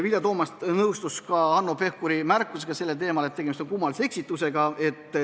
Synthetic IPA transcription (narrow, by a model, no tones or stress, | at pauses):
vilʲjɑt̪o̞ːmɑst̪nɤwst̪uskɑɑnːope̞hkuɾimærkːˑuse̞ɡ̥ɑse̞lːet̪e̞ːmɑlet̪ːeɡemist̪onkumːɑlisee̞ksit̪ːˑuse̞ɡ̥ɑe̞t̪ːˑ